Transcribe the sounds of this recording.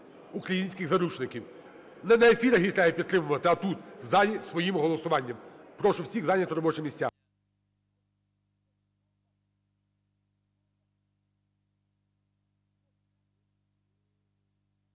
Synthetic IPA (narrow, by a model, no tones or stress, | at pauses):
ukɾɐjinʲsʲkɪɣzɐɾut͡ʃnɪkʲiw | nɐnɛefʲiɾɐɦʲit̪ɑjɛpʲid̪t̪ːɾɪmʊʋɐt̪ɪɐt̪ut̪zajʲisʋɔjimɦɔlˠɔsʊʋɑnʲːɐmpɾɔʃʊwsʲiɣzɑnʲɐt̪ɾɔbɔt͡ʃɪmʲisʲtʲːa̰